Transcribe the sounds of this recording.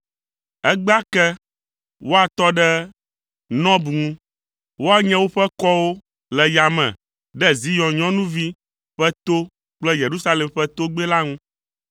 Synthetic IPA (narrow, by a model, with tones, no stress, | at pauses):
ɛ˦ɡ͡ba˦kɛ˦ | wo˦a˨t̪ɔ˦ɖɛ˦ | nɔ̃˦bu˨ŋũ˦ | wo˦a˨ɲɛ̃˦wo˦ɸɛ˦kɔ˦wo˦ | lɛ˨ja˨mɛ̰̃˨ | ɖɛ˦zi˦jɔ̃˨ɲɔ̃˦nũ˦vi˦ | ɸɛ˦t̪o˦ | k͡plɛ˦je˨ɾu˦sa˦lɛ˨mɸɛ˦t̪o˦ɡ͡bɛ˦la˦ŋũ˦